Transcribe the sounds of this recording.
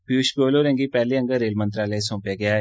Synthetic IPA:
bjuːʃkoːloːɾɛ̃ːŋɡipɛːliə̃ŋɡəɾeːlmə̃nt̪ɾaːləsõːpjaːɡɪjaː

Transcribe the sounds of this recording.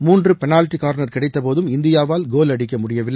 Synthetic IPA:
muːndrɯpɛnaːlʈːikaːɾnɐɾkɪɽɐɪt̪ːɐpoːðɯmɪnd̪ɪjaːʋaːlɡoːlɐɽɪk̬ːɐmʊɽɪjɐʋɪlːɐ

